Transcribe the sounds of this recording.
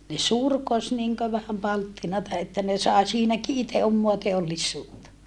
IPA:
ne surkos niŋkø ʋæhæm pɑltːinɑtɑ etːæ ne sɑˑe siːnæki ite omːoɑ teolːisːuːtːɑ

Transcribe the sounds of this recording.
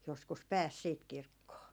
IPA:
joskus pæːs siːt kirkːoː

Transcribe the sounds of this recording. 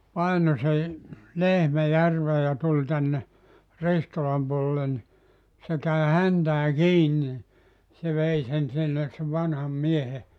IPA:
pɑino se lehmæ jærʋeː jɑ tulʲ tænːe ristolɑm puolĕlːen ni se kæi hæntæː kiːn ni se ʋei sen sinːes se ʋɑnhɑm miehe

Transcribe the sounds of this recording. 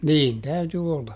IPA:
niːn tæyty olːɑ

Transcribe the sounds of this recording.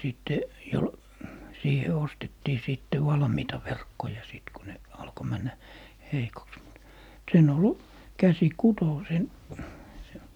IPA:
siˑtːe jol siːhe ostetːiː siˑtːe ʋɑlmiːtɑ ʋerkːojɑ siˑt ku ne ɑlko mænːæ heikoks mut sen ol kæsi kuto sen se

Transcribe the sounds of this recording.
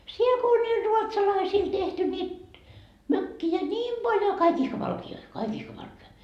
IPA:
siel ko olʲ niːl ruotsɑlɑisiːl tehty niːt møkːiæ nʲiːm b̥ɑljo kɑik ihkɑ ʋɑlkioi kɑik ihkɑ ʋɑlkeɑ

